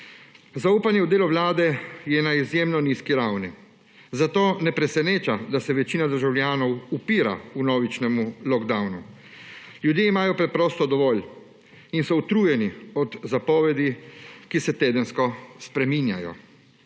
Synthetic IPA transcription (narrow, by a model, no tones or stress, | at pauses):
zauːpanjɛuwd̪eːlɔʋlaːd̪ɛjɛnaizjemnɔniːskiɾawni | zat̪oːnɛpɾɛsɛneːt͡ʃad̪asɛʋɛt͡ʃiːnad̪əɾʒawlʲjaːnɔwupiːɾa̰unɔːʋit͡ʃnɛmulɔɡd̪awnu | ljud̪jeimaːjɔpɾɛpɾɔːst̪ɔd̪ɔʋɔːl | insɔut̪ɾuːjɛniɔd̪zapɔːʋɛd̪ikisɛt̪eːd̪ənskɔspɾɛminja̰jɔ̰